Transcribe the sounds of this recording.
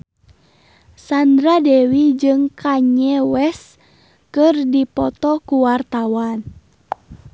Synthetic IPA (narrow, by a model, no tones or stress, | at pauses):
sand̪ɾadɛwid͡ʒɨŋkʰaɲɛwɛs | kɨrdipɔt̪ɔkuwart̪awan